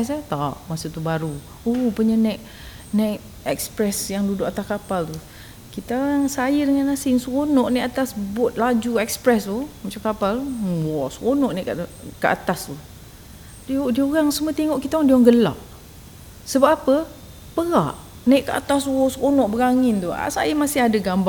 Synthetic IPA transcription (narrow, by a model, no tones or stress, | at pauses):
ɛs̬at̪aʔmasut̪ubaɾu | opuɲənɛʔ | naʔ̚ | ɛk̚spɾɛsjaŋludoʔat̪askapalt̪u | kit̪aɣaŋsajədəŋanasɪŋsəkonɔʔnɛʔat̪asbʊt̪̚lad͡ʒuɛkspɾɛsumat͡ʃamkapalwɔskonɔʔnɛʔkəa̰t̪ast̪u | diodiəoɾaŋsəmuət̪eŋɔʔkit̪awaŋdiaŋɡəla̰ʔ̚ | səbap̚apə | pəɣaʔ | naʔkəʔa̰t̪aswɔsəkonɔʔbəɾaŋɪnt̪ua̰sa̰jəmasɪɦadəɡamba